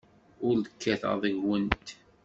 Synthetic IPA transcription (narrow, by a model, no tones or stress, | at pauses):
ʊɾðəkːæθə̰ðˤəʝwənt̪